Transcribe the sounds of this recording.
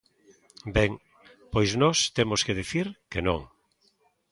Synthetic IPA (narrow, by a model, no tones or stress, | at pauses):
bɛŋ | pojznɔst̪emʊskeðiθiɾkenõ̰ŋ